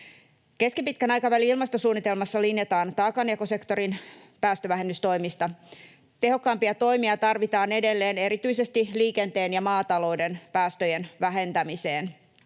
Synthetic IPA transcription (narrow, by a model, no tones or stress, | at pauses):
ke̞skipit̪̚kænɑjkɑʋæliilmɑst̪osuːnːit̪e̞lmɑsːɑlinjet̪ɑːnt̪ɑːkɑneɑkose̞kt̪o̞ɾin | pæːst̪øʋæɦenːyst̪o̞jmist̪ɑ | t̪e̞ɦo̞kːɑːmpiɑt̪o̞jmiɑt̪ɑrʋit̪ɑːne̞de̞lːe̞ːne̞ɾit̪yise̞st̪iliːke̞nt̪e̞ːnjɑmɑːt̪ɑlo̞ːde̞npæːst̪øjenʋæɦe̞nt̪æmise̞ːn